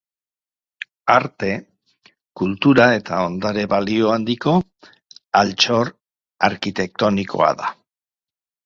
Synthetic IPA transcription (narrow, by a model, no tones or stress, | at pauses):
aɾt̪e̞ | kult̪uɾae̞t̪ao̞nd̪aɾe̞βalio̞and̪iko̞ | alt͡ʃo̞ɾ | aɾkit̪e̞k̚t̪o̞nikʰo̞̰a̰ða̰